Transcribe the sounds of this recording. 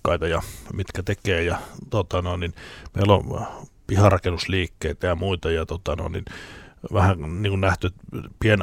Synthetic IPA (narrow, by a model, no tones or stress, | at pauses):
kːɑit̪ɑjɑmit̪kæt̪ekeːjɑt̪ot̪ɑnoˑenninmḛilo̰m | pihɑrɑkenusliːkːeit̪æjɑmuit̪ɑjɑt̪ot̪ɑno̰inːḭnʋæhæniːŋkunnæht̪yet̪pien